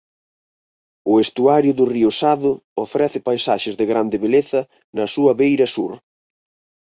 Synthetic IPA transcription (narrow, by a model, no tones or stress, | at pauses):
ʊest̪uaɾjʊðʊriʊsaðʊofɾɛθɪpajsaʃɪzðɪɣɾand̪ɪβeleθɐ | nɐsuɐβejɾɐsuɾ